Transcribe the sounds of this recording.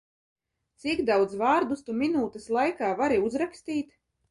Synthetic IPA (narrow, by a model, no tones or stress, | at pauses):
t̪sikd̪awd̪zvaːɾd̪ust̪uminuːt̪ɛslˠajkaːvaɾiuzɾakst̪iːt̪